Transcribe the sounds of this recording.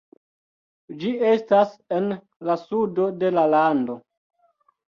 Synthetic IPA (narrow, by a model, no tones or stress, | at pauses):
d͡ʒie̞stase̞n | lasudo̞de̞lalando̞